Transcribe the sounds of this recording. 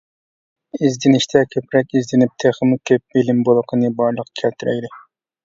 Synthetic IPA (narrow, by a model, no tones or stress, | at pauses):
izd̪ɪnɪʃt̪ʰɛkʲʰøpɾɛkʲizd̪ɪnɪp̚t̪ʰeχəmkʲʰøp̚belɪmbolˠəqʰənɨbɑɾlˠəqkʲʰɛlt̪ʰyɾɛ̰jd̪ɪ